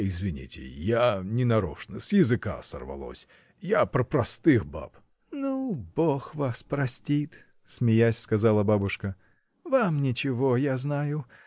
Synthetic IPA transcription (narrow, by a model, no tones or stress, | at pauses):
ɪzvʲɪnʲḭtʲɪ̰janʲɪnɐɾo̰ʂnəsjɪzɨka̰sə̰rvɐ̰lˠo̰sʲ | japɾəpɾɐst̪ɨxba̰p | nuboxvaspɾɐsʲtʲit̪ | smʲɪjasʲskɐzalˠəbabʊʂkə | vamnʲɪt͡ɕɪvojaznajʊ